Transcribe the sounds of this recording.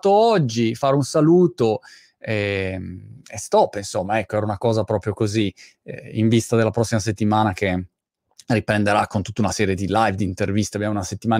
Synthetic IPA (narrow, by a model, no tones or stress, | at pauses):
t̪oɔd͡ʒːifaːɾeunsaluːt̪o | ɛmest̪ɔpːinsomːaɛkːoɛɾaunakɔːzapɾɔːpɾjokozḭ | iɱvist̪ad̪elːapɾɔsːimas̬et̪ːimaːnake | ripɾend̪eɾakːont̪ut̪ːaunasɛːɾjed̪ilajvd̪iːnt̪ervist̪eabjamunaset̪ːimaː